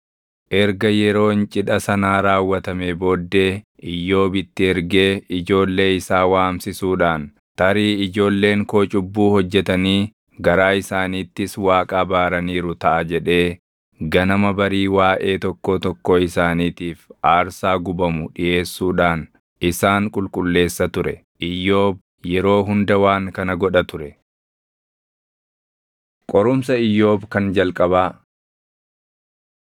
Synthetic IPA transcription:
ʔɛɾɡɐjɛɾo̞ːnt͡ʃʼɪᶑɐsɐnaːɾaːwːɐt̪ɐmeːbo̞ːd̪ːe̞ː | ɪjːo̞ːbɪt̪ːɪɛɾɡe̞ːɪd͡ʒo̞ːlːe̞ːɪsaːwaːmsɪsuːᶑaːn | t̪ɐɾiːɪd͡ʒo̞ːlːe̞ːŋko̞ːt͡ʃʼʊbːuːhɔd͡ʒːɛt̪ɐniː | ɡɐɾaːɪsaːniːt̪ːɪswaːkʼaːbaːɾɐniːɾʊt̪ɐʔɐd͡ʒɛᶑe̞ː | ɡɐnɐmɐbɐɾiːwaːʔe̞ːt̪ɔkːoːt̪ɔkːoːɪsaːniːt̪iːfaːɾsaːɡʊbɐmʊᶑɪʔe̞ːsːuːᶑaːn | ɪsaːŋkʼʊlkʼʊlːe̞ːsːɐt̪ʊɾɛ | ʔɪjːo̞ːb̚ | jɛɾo̞ːɦʊnd̪ɐwaːŋkɐnɐɡɔᶑɐt̪ʊɾɛ | kʼɔɾʊmsɐɪjːo̞ːbkɐnd͡ʒɐlkʼɐbaː

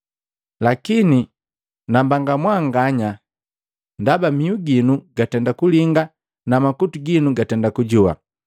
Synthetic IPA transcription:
lakini | nambaŋɡamwaŋɡaɲa | ndabamiuɡinuɡatɛndakuliŋɡa | namakutuɡinuɡatɛndakuɟuwa̰

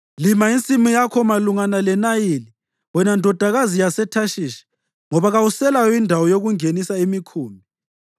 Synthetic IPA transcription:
limaint͡sʼimujakʰɔmaluŋanalɛnajili | wɔnandʱɔd̥ʱaɣazijasɛtʰaʃiːʃɛ̥ | ŋɔβaɣawusɛlajɔindʱawɔjoɣuŋenisaimikʰuːmi

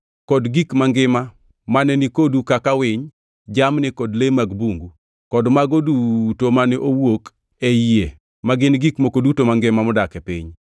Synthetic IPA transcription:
kɔdɡikmaŋɡɪma | manɛnikodukakawɪɲ | d͡ʒamnɪkɔdlemaɡbuŋɡu | kɔdmaɡodutomanɛʔowok | ee | maɡɪnɡikmokodutomaŋɡɪmamɔdakɛpḭɲ

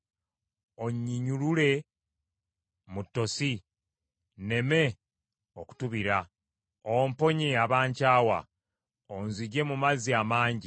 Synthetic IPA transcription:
o̞ɲːiɲulule̞ | mutːo̞si | ne̞me̞ | oku̥tuβiɾa | ompo̞ɲiaβaːɲcaːwa̰ | onziɟe̞mumaziamaːɲɟi

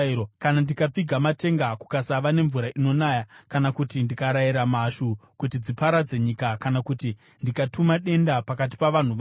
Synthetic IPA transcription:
okanandikap͡fiɡʱamate̞ŋɡaku̥kasaʋane̞ɱvuɾaʔino̞naːjakanakutindikaɾajiɾamaʃukutid͡zipaɾad͡ze̞ɲikakanakuti | ndikatʰumaɗe̞ndapakat̬i̥paʋan̤uʋa

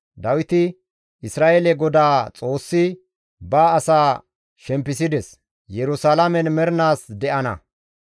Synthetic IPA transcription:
d̪ɐwɪt̪ɪ | ɪsɾaːʔelɛɡɔd̪aːt͡sʼo̞ːsːɪ | baːɐsaː | ʃɛmpːɪs̬ɪd̪ɛs | jɛɾʊsalɐmɛnmɛɾnaːsd̪ɛʔɐnɐ̰

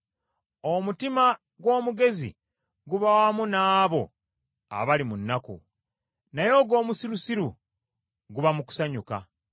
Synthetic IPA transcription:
o̞mutima | ɡwo̞ːmuɡe̞zḭ | ɡuβawamunaːβo̞ | a̰βalimunːakṵ | najo̞ːɡo̞ːmusiɾusiɾu | ɡuβamuku̥saɲuka̰

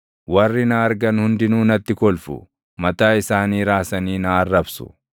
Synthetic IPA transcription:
wɐrːɪnɐːɾɡɐnhʊnd̪ɪnuːnɐt̪ːɪkɔlfʊ̰ | mɐt̪aːɪsaːniːɾaːsɐniːnɐːrːɐbsʊ̥̰

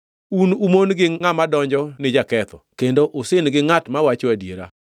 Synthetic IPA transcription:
unumonɡɪŋamadɔɲd͡ʒɔnɪd͡ʒakɛt̪ɔ̰kendoʔosɪnɡɪŋatmawat͡ʃoadjḛɾa̰

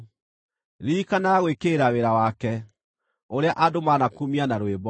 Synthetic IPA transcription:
ɾikanaɣwekeɾaweɾawakɛ | oɾeaʔadomanakumianaɾoebɔ

